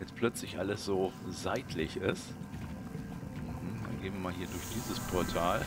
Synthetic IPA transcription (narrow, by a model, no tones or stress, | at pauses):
jɛt͡spʰlœt͡slɪçʔa̰ləsz̥oːzaɪtʰlɪçɪst | m̩hm̩da̰nɡeːbmnviːɐmaːlɦiːɐdʊɐçd̥iːzəspʰɔɐtʰaːl